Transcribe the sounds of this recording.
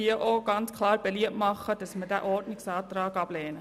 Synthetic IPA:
iəʔoɡ̥ɑnt͡skʰlɑːɾb̥ɛliətmɑχːəd̥ɑsmədæ̰ʔɔɾdnɪksɑːt̪ɾɑːɡɑb̥lɛːnə

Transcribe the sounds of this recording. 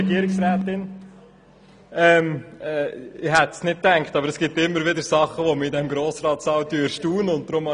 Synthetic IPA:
ɛɡ̥iəɾɪksɾæːt̪ɪn | ɛmɛːɪɦɛt̪snɪt̚tæŋkχt̪ɑbəɾɛsɡ̥ɪtːɪmːəɾʋɪdəɾsɑχəʋɔməidɛmɡɾoːsɾɑːt̪sɑwt̪yːɾʃtuːnʊnt̚d̥ɾʊmɑ

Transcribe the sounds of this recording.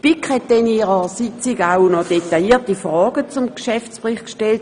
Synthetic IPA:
pikhɛtd̥ɛniːʁəsit͡siɡaʊnɔd̥etajiːɐtifʁɔːɡ̥ət͡sumkʃɛft͡spʁɪχkʃtɛlt̚

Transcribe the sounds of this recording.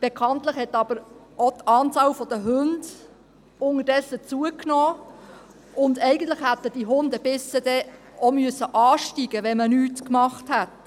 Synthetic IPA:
b̥ekʰɑntlɪχhɛtːɑb̥əɾ | otɑːnt͡sɑːlfɔd̥əɦønd | ʊŋədɛsət͡suəknoː | ʊnd̪ɛɪɡən̩t̪lɪxhæt̪əd̥iɦʊnd̪əb̥ɪsəd̥ɛ | omyəsəʔɑːʃtiɡəʋɛnmənyːtkmɑχthæt

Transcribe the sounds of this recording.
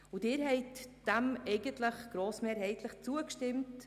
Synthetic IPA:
ʊdɪːɾɦɛɪtd̥æmɛɪɡəntləχɡ̥ɾoːsmeːɾɦɛɪtləχt͡suəkʃtɪmt

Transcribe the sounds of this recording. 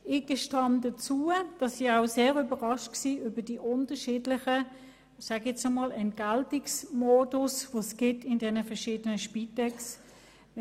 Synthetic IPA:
ɪɡ̥əʃtɑmdət͡suːəd̥ɑsːiaʊseːʁybəʁɑʃtksiːybəd̥iʔʊntəʃiːdlɪχə | saɡɛt͡somɑːlɛnt̚ɡ̥altɪksmoːdʊsʋosɡ̥ɪtʰɪndɛnəfɛɐʃiːdənəʃpitɛks

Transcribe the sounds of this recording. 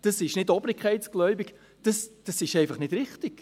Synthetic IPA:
d̥ɑsɪʃnɪdɔbɾɪkʰχɛɪtsɡ̥lɔʏbɪk | d̥əsd̥ɑsɪʃɛɪfɑχnɪdɾɪχtɪɡ̥

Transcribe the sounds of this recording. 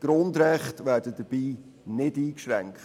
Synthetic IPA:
ɡ̥ɾʊndɾɛχtʋæːɾd̥ədəb̥iː | nɪdiːkʃɾɛŋkt

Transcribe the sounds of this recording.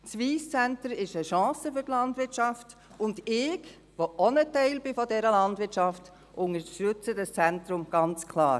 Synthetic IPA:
t͡sʋiːst͡sæntəɾɪʃəʃɑ̃ːsəfʏtlɑndʋɪɾtt͡ʃɑft | ʊndɪɡ | ʋoʔɔnətɛɪlbɪfɔdɛɾəlɑndʋɪɾtʃɑft | ʔʊŋəɾʃtʏt͡sədəst͡sɛntɾʊmɡ̥ɑnt͡skʰlɑːɾ

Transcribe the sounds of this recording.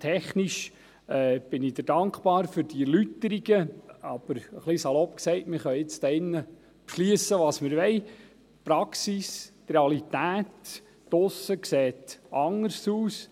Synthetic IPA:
t̪ʰɛχniʃ | ɛːb̥ɪnid̥̪əɾd̥ɑŋkpɑːɾfʏɾd̥iɛɾlytːəɾiɡəɑb̥əɾəχlisɑlɔpksɛɪtmɪɾχœɪt͡st̪ɛɪnːə | pʃliəsəʋɑːsmɪɾʋɛɪ | pɾɑksist̪reɑlit̪æːtː | ʊsəkseːt̪ʔɑŋəɾsuːs

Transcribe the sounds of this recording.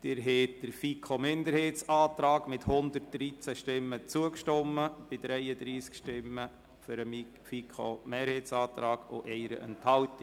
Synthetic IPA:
d̥ɪɾɦɛːtd̥əɾfikʰomɪndəɾheːt͡sɑːtɾɑːɡ̥mɪthʊnd̪ərt̚d̥ɾit͡sæʃtɪmːət͡suəkʃtɔmːəb̥ɪd̥ɾɛjədɾiːskʃtɪmːə | fʏɾəmi | fikʰo̰meːɾheːt͡sɑːt̪ɾɑːɡ̥o̰ʔɛɪɾə̰ʔə̰nthɑltɪ

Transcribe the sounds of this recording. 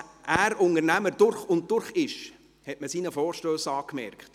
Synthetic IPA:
ʔæːɾʊŋəɾnæməd̥ʊɾχʊnt̚dʊɾχɪʃ | hɛtməsiːnəfɔːɾʃtøːsɑːkmɛɾkχt

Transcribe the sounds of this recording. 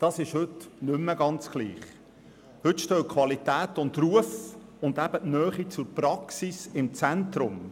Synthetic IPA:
d̥ɑːsɪʃhʏtnʏmːəɡɑnt͡sɡ̥lḭːχ | hʏtʃtøːkʰw̥ɑlitæːtʊntruəf | ʊndæb̥əʔnœːχit͡sʊɾpɾɑksisɪmt͡sɛntɾʊm

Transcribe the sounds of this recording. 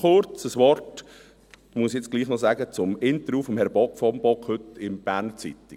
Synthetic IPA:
χʊɾt͡səsʋɔrt | muəsjɛt͡sɡ̥liːχnɔsæːɡət͡sʊmɪnt̪əɾjuːfɔmhɛɾb̥ɔkfɔmb̥ɔkhɵtɪmb̥æːɾnət͡sḭtɪ

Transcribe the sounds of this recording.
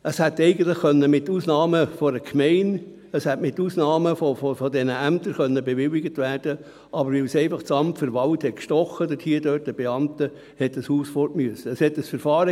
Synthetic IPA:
ʔəshætɛɪɡən̩t̪lɪχkœnːəmɪtːuːsnɑːməfɔdəkʰmɛɪn | əshætmɪtːuːsnɑːməfofofɔdɛnəæmtəɾχœnːəbevɪlːɪɡətvæːrd̥ə | ʔɑbəɾvɪlsɛɪfɑχt͡sɑmtfəɾʋɑlthɛt̚kʃtɔχːədɛthiːədøːt̚dəb̥eɑmtə | hɛt̚d̥ɑshuːsfɔtmyəsəəshɛtəsfəɾfɑːɾə

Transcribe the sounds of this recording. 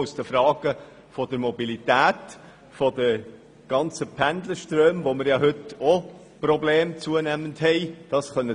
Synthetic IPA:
ʊsd̥̪əfɾɑːɡ̥ə | fɔdəɾmɔbilitæːt | fɔdə | ɡ̥ɑnt͡səpʰænd̪ləʃtɾøːmvoməɾjɑɦɵto | prɔbleːmt͡suənæmənthɛɪd̥ɑsχœnə

